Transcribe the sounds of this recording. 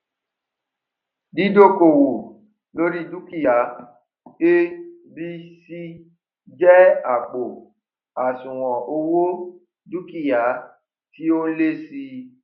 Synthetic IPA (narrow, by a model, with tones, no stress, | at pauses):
di˨˦do˦˨ko˨wo˨ | lo˦ɾi˦du˦ki˦˨ja˨˦ | e˦ | bi˦si˦ | d͡ʒɛ˦a˨k͡po˨ | a˨sũ˨w̃ɔ̃˨o˧wo˦ | du˦ki˦˨ja˨˦ | ti˦o˦le˦si˧